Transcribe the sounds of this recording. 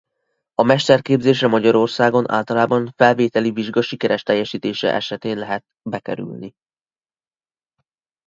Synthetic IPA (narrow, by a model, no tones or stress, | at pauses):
ɒmɛʃt̪ɛrkeːbzeːʃɛmɒɟɒɾo̞rsaːɡo̞nʔa̰ːlt̪ɒlaːbɒɱfɛlveːt̪ɛliviʒɡɒʃikɛɾɛʃt̪ɛjːɛʃiːt̪eːʃɛ̰ʔɛʃɛt̪eːnlɛɦɛt̪ | bɛkɛɾy̰lni